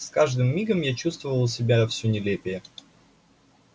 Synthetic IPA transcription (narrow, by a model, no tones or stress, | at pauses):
skaʐd̪ɨmːʲiɡəmjat͡ɕust̪vəvəlˠsʲɪbʲafsʲunʲɪlʲepʲɪjə